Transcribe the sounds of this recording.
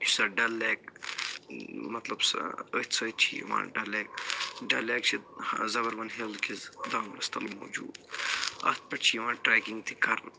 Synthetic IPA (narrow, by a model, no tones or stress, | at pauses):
t͡ʃsɐɖɐlːeːk | mɐt̪lɐbsət̪sʰɐːt̪t͡ʃʰḭʋã̰ːɖɐleːk̚ɖɐleːk̚t͡ʃʰizɐbɐɾʋɐnɦelkʰizd̪aːnlɐst̪ɐlmoːd͡ʒṵːd̪ɐ̰t̪̚pɐʈt͡ʃʰiʋãːʈɾeːkiŋɡt̪ʰikɐɾ